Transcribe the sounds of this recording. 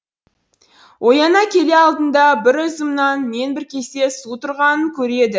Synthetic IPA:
wʔo̞jɑnɑkʲʰe̞le̞ɑlˠd̪ənd̪ɑbɪɾʊzɪmnɑnme̞nbɪɾkʲʰe̞se̞sut̪ʰʊɾʁɑnəŋkʲʰɵɾe̞d̪ɪ

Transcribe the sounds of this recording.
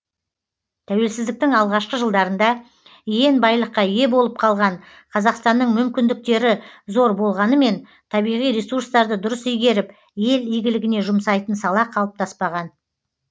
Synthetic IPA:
t̪ʰæwe̞lsɪzd̪ɪk̚t̪ɪŋɑlˠʁɑʃqəʒəlˠd̪ɑɾənd̪ɑ | je̞nbɑjlˠəqːɑje̞bo̞lˠəp̚qʰɑlˠʁɑn | qʰɑzɑqst̪ɑnːəɴmʏmkʲɪnd̪ɪk̚t̪e̞ɾɪzo̞ɾbo̞lˠʁɑnəme̞n | t̪ʰɑbijʁijɾesuɾst̪ɑɾd̪əd̪ʊɾəsʏjɡʲe̞ɾɪp | je̞lijɡʲɪlɪɡʲɪne̞ʒʊmsɑjt̪ənsɑlˠɑqʰɑlˠəp̚t̪ʰɑspɑʁɑn

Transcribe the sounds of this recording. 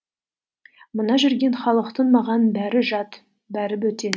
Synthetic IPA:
mənɑʒʏɾɡʲe̞nχɑlˠəqt̪ənmɑʁɑnbæɾɪʒɑt̪ | bæɾɪbɵt̪e

